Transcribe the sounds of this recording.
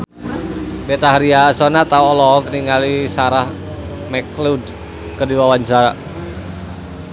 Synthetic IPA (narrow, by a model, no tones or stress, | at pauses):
bɛt̪aɦɾiasɔnat̪auɔlɔkəniŋalisaɾah | mɛklud | kədiwawant͡ʃaɾa